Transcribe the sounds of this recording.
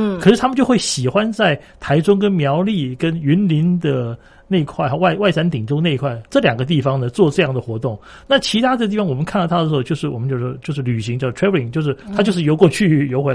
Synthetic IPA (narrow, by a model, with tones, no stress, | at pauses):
kʰɤ˨˩ʂɻ̩ʰ˥˩a˥mə˨˦t͡ɕjo˥˧ʊxwe˥˩ɪɕi˨˩xwa˦nt͡sa˥˩ɪt̪ʰa˧˥ɪʈ͡ʂʊ˥ŋk̬ə˥nmjɑ˧˥ʊli˥˩kə˥ny˧˥nli˧˥nd̪ə˨ | ne˥˧ɪkʰwa˥˩ɪxa˧wa˥˩ɪwa˥˩ɪsa˥nt̪i˨˩ŋʈ͡ʂʊ˥ŋne˥˧ɪ˧˥kʰwa˥˩ɪʈ͡ʂɤ˥˩ljɑ˨˩ŋɡə˦t̪̬i˥˩fɑ˧ŋnə˨t͡swɔ˥˧ʈ͡ʂɤ˥˧jɑ˥˩ŋd̪ə˩xwɔ˧˥t̪ʊ˥˩ŋ | na˥˩t͡ɕʰi˧˥t̪ʰa˥ɤ˥˧ə˧i˥˩fɑ˥wɔ˨˩mə˦nkʰa˥˩nlɑ˥˩t̪ʰə˩˧˥o˥˧ʊt͡ɕjo˥˧ʊʂɻ̩˥˩wɔ˨˩mə˦nt͡ɕjo˥˧ʊ˥˧t͡ɕjo˥˧ʊʂɻ̩˥˩ly˨˩ɕ̬i˧˥ŋt͡ɕjɑ˥˧˩ʈ͡ʂʰɹɛ˥və˧˥i˥˩ŋt͡ɕjo˥˧ʊʂɻ̩˥˩t̪ʰa˥t͡ɕjo˥˧ʊʂɻ̩˥˩jo˧ʊkwɔ˥˧t͡ɕʰy˥˩jo˧˥xwe˧˥